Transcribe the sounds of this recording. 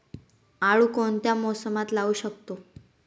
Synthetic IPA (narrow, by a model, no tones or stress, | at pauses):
aɭukoɳt̪jamɔsəmat̪lauːɕəkt̪o